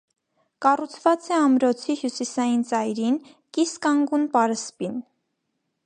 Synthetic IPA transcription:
kɑrut͡sʰvɑt͡sɛɑmɾɔt͡sʰihjusisɑjint͡sɑjɾin | kiskɑŋɡunpɑɾəspin

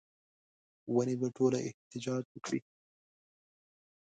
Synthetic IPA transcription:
wanibeʈʰolaʔɪ̰ht̪ɪd͡ʒɑd͡ʒwəkɽḭ

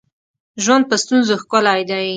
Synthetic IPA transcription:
ʒwand̪̚pəst̪unzoxkʊlajd̪awi

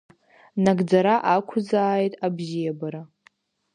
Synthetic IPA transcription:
naɡd͡zaɾaʔakʷʰʊd͡zaːjtʼabzijabaɾa

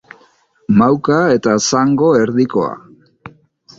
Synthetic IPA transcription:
mawkae̞t̪asaŋɡo̞eɾðiko̞̰a̰

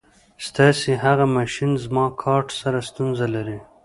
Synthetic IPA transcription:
st̪ɑsiɦaɣamaʃinzmɑkʰɑʈsaɾast̪unzalaɾi

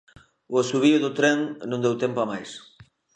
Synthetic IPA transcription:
ʊasuβiʊðʊt̪ɾɛŋnõnd̪ewt̪empʊamajs

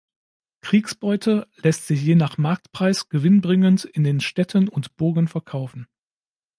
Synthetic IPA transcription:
kʁ̥iːksb̥ɔʏtʰəlɛstz̥ɪçjeːnaχmaɐk̚tpʁ̥aɪsɡ̥əvɪnbʁɪŋəntɪndeːnʃtɛtʰənʊntb̥ʊɐɡən̩fɛɐkʰaʊfn̩

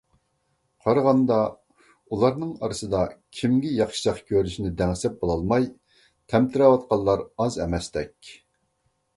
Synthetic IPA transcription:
qʰɑɾəʁɑnd̪ɑ | ulˠɑɾnɨŋɑɾɨsɨd̪ɑkʲʰimɡʲɪjɑχʃi̥t͡ʃɑqkʲʰøɾyʃinɪd̪ɛŋsɛp̚bolˠɑlˠmɑj | t̪ʰɛmt̪ʰɪɾɑwɑt̪̚qɑlˠːɑɾɑzɛmɛst̪ɛkʲ

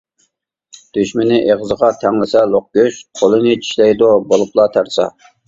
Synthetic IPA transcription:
d̪̥yʃmɪnɪʔeʁəzəʁɑt̪ʰæŋlɪsɛlˠoq̚ɡʲøʃqʰolˠɨnɪt͡ʃʰi̥ʃlɛjd̪obolˠuplˠɑt̪ʰæɾsɑ̰

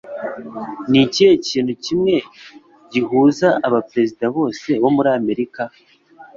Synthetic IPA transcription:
nicieciːnhucimŋe̞ | ɟihuːzaʔaβapɾe̞zidaβo̞ːse̞βo̞muɾaːme̞ɾika

